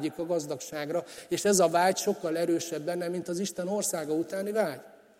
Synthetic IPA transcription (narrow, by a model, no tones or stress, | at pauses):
ikɒɡɒzd̪ɒkʃaːɡrɒeːʃɛzɒvaːɟʃo̞kːɒlɛɾøːʃɛbːɛnːɛmint̪ɒziʃt̪ɛno̞rsaːɡɒut̪aːnivaːɟ